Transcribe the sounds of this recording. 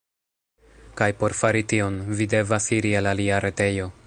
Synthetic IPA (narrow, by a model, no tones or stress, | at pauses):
kajpo̞ɾfaɾitio̞nvide̞vasiɾielaliaɾe̞te̞jo̞